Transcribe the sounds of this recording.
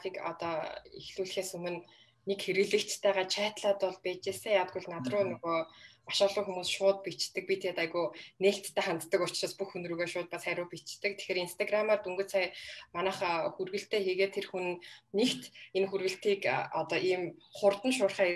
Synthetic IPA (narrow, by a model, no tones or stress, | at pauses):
ikɔ̰t̪ɔːixɮuːɮ̆xeːsɵmɘ̆nː | ekxeɾɘ̆ɮɘ̆kt͡ɕt̪ʰæːʁaːt͡ɕʰaːt̪ɮaːt̪ɔɮpæːt͡ɕeːsə̆ŋjaːwt̪̚ɡujɮnat̪rʊːnɵɣoːmaʃaːɮʊːxumuːsʃʊːt̪̚pit͡ɕt̪ɘ̆k̚pit̪ʰeːt̪aɣujneːɬt̪ʰːæːχant̪t̪ːə̆kʊt͡ɕraːspuxunruːɣeːʃʊːt̪̚pasχæɾʲʊːpit͡ɕt̪ɘ̆k̚t̪ʰe̥xeːɾinst̪ʰaɡramaːrt̪uŋɡɵ̆t͡sʰajmanaːχxurɣɘ̆ɬt̪ʰeːxiːɣeːt̪ʰːerxunɘ̆nːekt̪enxurɣɘ̆ɬt̪iːkɔt̪ɔːʔiːmχʊrt̪ə̆nʃ̬ʊːrχæː